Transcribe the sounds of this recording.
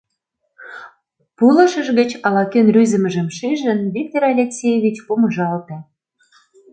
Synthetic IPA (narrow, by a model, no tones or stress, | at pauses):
pulɤ̆ʃə̆ʒɣə̆t͡ɕɑlɑkenryzə̆mə̆ʒə̆mʃiʒə̆nβʲik̚t̪oɾɑlʲeksʲejeβʲit͡ɕpumə̆ʒɑlt̪ĕ